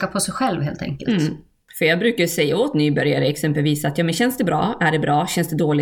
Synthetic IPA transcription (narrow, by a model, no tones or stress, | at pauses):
apʰɔsɛjɧɛlvheːlt̪ʰɛ̰ŋkə̰lt̪ | fœjɑːɡbɾʉ̟ːkaɾjɵsɛjːaoːt̪nyːbœɾjaɾəɛksɛmpəlviːsat̪jɑːmɛnɕɛnsd̪ɛbɾʔɑ̰ːæɖɛbɾɑːɕɛnsd̪ɛd̪oːlɪ